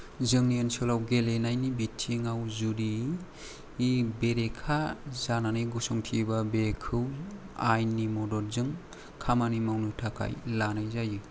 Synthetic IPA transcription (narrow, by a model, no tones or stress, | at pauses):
zɯŋniensɯlawɡelenajnibitʰːiŋawzuɾiː | beɾekʰazananɯjɡɔsɔŋtʰibabekʰɯw | ajnimɔdɔɾzɯŋ | kʰamanimawnɯtʰakʰa̰jlanajzajɯ